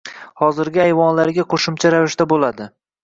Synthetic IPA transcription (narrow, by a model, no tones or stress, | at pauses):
hɒzɪɾɡʲɪajvɒnlaɾɡʲaqʰoʃʊmt͡ʃʰaɾavɪʃt̪abolad̪ɪ